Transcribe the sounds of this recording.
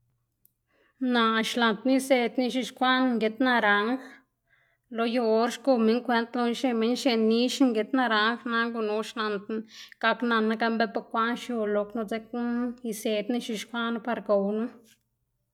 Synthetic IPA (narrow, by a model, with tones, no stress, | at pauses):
na˧˨ʃla˨nt̪n˦i˦˧se˧t̪ni˧ʃi˧ʃkʷa˦n˧ŋɡe˧t̪na˧ɾa˨ŋ | lo˧jo˧˦ɾʃku˧me˦ŋkʷwe˧˦nt̪lo˧ʃe˧me˧˦ɲʃe˧ni˦ʃŋɡe˧t̪na˧ɾa˧ŋxna˧ɡu˧nu˧˦ʃla˧nt̪nɡ̥a˧kna˧na˧ɡa˧mbe˦pa˧kʷa˦nʃjo˧lo˧kno˧d͡ze˧k̚i˧se˧t̪ni˧ʃi˧ʃkʷa˦n˧pa˧ɾɡo˨wnu˦